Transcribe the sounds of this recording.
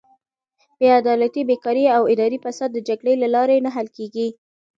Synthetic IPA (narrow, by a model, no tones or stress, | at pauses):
b̥ead̪ɑlat̪ibekɑɾiawɪd̪ɑɾifasad̪ːəd͡ʒaɡɽəlalɑɾenaɦalkeɡi